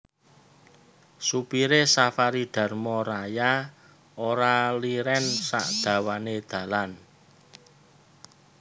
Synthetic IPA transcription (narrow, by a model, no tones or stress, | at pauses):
supiɾesafaɾid̪̥a̤rmɔɾaja | oɾaliɾɛnsa̰ʔd̪̥a̤waned̪̥ä̤lan